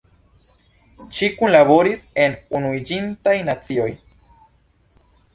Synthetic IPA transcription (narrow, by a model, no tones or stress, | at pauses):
ʃikunlaβo̞ɾise̞nunuid͡ʒintajnat͡sio̞j